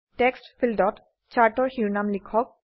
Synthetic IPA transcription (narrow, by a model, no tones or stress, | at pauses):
tekstfʰildɔt | t͡ɕaɹtɔɹxiɹnamlikʰːɔk̚